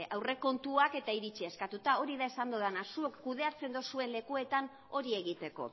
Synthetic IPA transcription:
awre̞ko̞nt̪uake̞t̪aiɾit͡ʃie̞skat̪ut̪ao̞ɾiðaesand̪oð̞anasuokːuðe̞at͡se̞nd̪osue̞nle̞kue̞t̪an | o̞ɾie̞ɣ̞it̪e̞ko̞̰

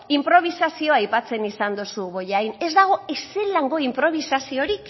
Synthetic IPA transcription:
impɾo̞β̞isasio̞ajpat͡se̞nisand̪usuβo̞jajne̞zd̪aɣ̞o̞eselaŋɡo̞impɾo̞β̞isasio̞ɾik

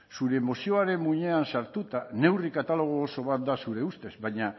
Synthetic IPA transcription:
suɾe̞ːmo̞sio̞aɾe̞muɲe̞ansaɾt̪ut̪ane̞wrikat̪alo̞ɣ̞oːso̞βat̪̚d̪asuɾe̞ust̪e̞zβajɲa

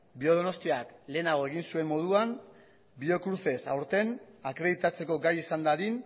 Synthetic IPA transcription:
bio̞ð̞ono̞st̪iakle̞ːnaɣ̞o̞e̞ɣ̞insue̞mmo̞ð̞uan | bio̞kɾuse̞sa̰wɾt̪e̞nakɾe̞ðit̪at͡se̞ko̞ɡajisand̪aðin

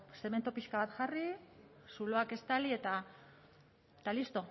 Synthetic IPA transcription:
seme̞nt̪opiʃkaβat̪ʝarisulo̞ake̞st̪alie̞t̪a | et̪alist̪o̞

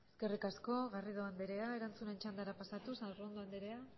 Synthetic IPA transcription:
eske̞rikasko̞ɣarið̞o̞and̪eɾe̞ae̞ɾant͡sune̞nt͡ʃand̪aɾapasat̪usarond̪oand̪e̞ɾe̞a

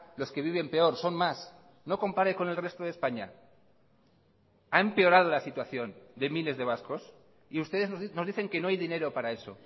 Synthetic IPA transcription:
lo̞ske̞β̞iβ̞e̞mpe̞o̞ɾso̞nmas | no̞ko̞mpaɾeko̞ne̞lre̞st̪oð̞espaɲa̰ | aempe̞o̞ɾað̞o̞lasit̪waθjo̞nd̪e̞mile̞zðe̞β̞asko̞s | iust̪e̞ð̞eno̞zðiθe̞ŋke̞no̞ajðine̞ɾo̞paɾae̞so̞̰

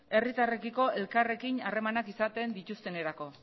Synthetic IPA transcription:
e̞rit̪are̞kiko̞e̞lkare̞kinare̞manakisat̪e̞nd̪it̪ust̪e̞ne̞ɾako̞

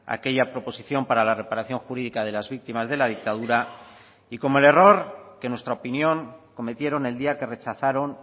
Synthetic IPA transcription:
a̰ke̞ʎapɾo̞po̞siθjo̞mpaɾalare̞paɾaθjo̞ŋxuɾiðikað̞e̞lazβik̚t̪imazðe̞lað̞ik̚t̪að̞uɾa | iko̞moe̞le̞ro̞ɾke̞nwest̪ɾaopinjo̞ŋko̞me̞t̪je̞ɾo̞ne̞ld̪iake̞re̞t͡ʃaθaɾo̞n

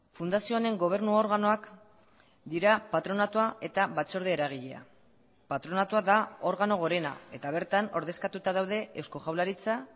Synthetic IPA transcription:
fund̪asio̞ne̞ŋɡo̞β̞e̞ɾnuo̞ɾɣano̞ak | d̪iɾapat̪ɾo̞nat̪uae̞t̪aβat͡so̞ɾðeːɾaɣ̞iʎe̞̰a̰ | pat̪ɾo̞nat̪uaðao̞ɾɣano̞ɣ̞o̞ɾe̞na̰e̞t̪aβ̞e̞ɾt̪ano̞ɾðe̞skat̪ut̪aðawð̞e̞ewsko̞ʝawlaɾit͡sa

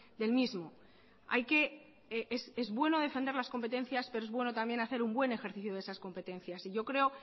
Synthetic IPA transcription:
d̪e̞lmizmo̞ | a̰jke̞ | eʔese̞zβwe̞no̞ð̞e̞fe̞nd̪e̞ɾlasko̞mpe̞t̪e̞n̟θjaspeɾoezβwe̞no̞t̪ambje̞naθe̞ɾumbwe̞ne̞xe̞ɾθiθjoðesasko̞mpe̞t̪e̞n̟θjasiʝo̞kɾe̞o̞

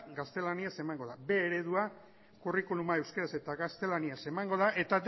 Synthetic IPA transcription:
ɡast̪e̞laniase̞maŋɡo̞ðabe̞ːɾe̞ðua | kurikulumae̞wskeɾase̞t̪aɣast̪e̞laniase̞maŋɡo̞ð̞aʔe̞t̪ad̪

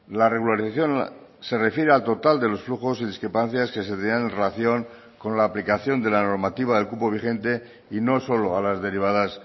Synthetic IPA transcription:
lare̞ɣulaɾiθaθjonse̞re̞fje̞ɾealt̪o̞t̪ald̪e̞lo̞sfluxo̞siðiskɾepan̟θjaske̞set̪enanenre̞laθjo̞ŋ | ko̞nlaːplikaθjo̞nd̪e̞lano̞ɾmat̪iβ̞aðe̞lkupo̞β̞ixẽ̞nt̪e̞ | ino̞so̞lo̞alazðe̞ɾiβ̞aðas

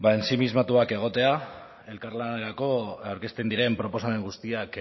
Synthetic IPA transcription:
baensimizmat̪uake̞ɣ̞o̞t̪e̞a | e̞lkarlaneɾako̞awɾke̞st̪e̞nd̪iɾe̞mpɾo̞po̞same̞ŋɡust̪iak

